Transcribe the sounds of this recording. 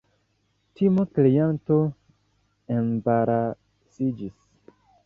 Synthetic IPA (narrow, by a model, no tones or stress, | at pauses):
timoklejanto | enbaɾa | sid͡ʒis